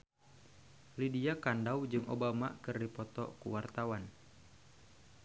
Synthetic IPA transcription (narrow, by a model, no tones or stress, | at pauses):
lidiakandawd͡ʒɨŋʔobamakɨrdipɔt̪ɔ̰kṵwart̪awan